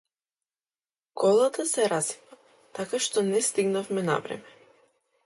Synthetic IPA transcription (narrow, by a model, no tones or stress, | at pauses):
kɔlˠat̪asɛɾazi̥va | t̪akaʃt̪ɔnɛst̪iɡnafmɛna̰vɾɛ̰mɛ